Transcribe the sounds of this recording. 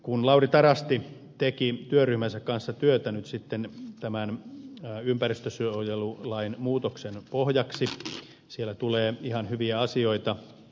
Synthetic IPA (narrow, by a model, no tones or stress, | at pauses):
kunlɑurit̪ɑrɑst̪i | t̪ekit̪yørːyhmænsækkɑnsːɑt̪yøt̪ænyt̪sit̪ːent̪æmænː | ympærist̪øsyøojelulɑinmuːt̪oksenpohjɑksi | sielːæt̪uleːihɑnhyʋiæɑsioit̪ɑ